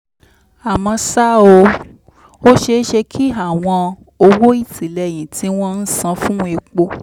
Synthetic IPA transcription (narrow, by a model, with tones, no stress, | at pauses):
a˨mɔ̃˧sa˦o˧ | o˦ʃe˧˦ʃe˧kʰi˦a˦˨w̃ɔ̃˧ | o˧wo˦i˦˨ti˨lɛ˧˨j̃ĩ˨ti˨˦w̃ɔ̃˦n̩˦sã˧fũ˦e˧k͡po˧